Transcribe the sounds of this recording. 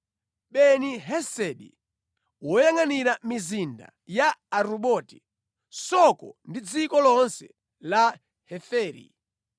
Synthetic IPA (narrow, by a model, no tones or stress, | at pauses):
ɓɛniɦɛsɛɗḭ | wɔjaŋaniɾamizinda̰ | jaaɾuɓɔti̥ | sɔkɔ̰ndid͡zikɔlɔnsɛ | la | hɛfɛːɾḭ